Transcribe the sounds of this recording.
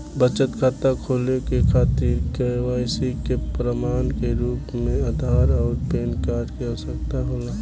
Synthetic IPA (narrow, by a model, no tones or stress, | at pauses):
bət͡ʃət̪kʰaːt̪akʰoːlekekʰaːt̪iːɾkeʋaːjsikepɾəmaːnkeɾuːpmẽɐd̪ʱaːɾɔːɾpeːnkaːɾʈkiasək̚t̪aɦoːlaː